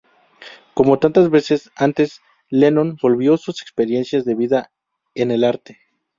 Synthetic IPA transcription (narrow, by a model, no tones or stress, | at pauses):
ko̞mo̞t̪ant̪azβe̞se̞sant̪e̞s | lenõ̞nbo̞lβjo̞suse̞kspe̞ɾje̞nsjazðe̞βiða | ene̞laɾt̪e̞